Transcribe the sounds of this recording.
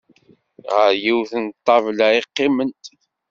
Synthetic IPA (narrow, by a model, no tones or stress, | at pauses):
ʁəɾjiwθənt̪ˤːɑvlaiqːɪmənt̪